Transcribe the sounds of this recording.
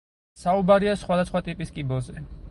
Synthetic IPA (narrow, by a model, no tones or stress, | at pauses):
saubaɾiasχwad̪asχwat̪ʼipʼiskʼibɔzɛ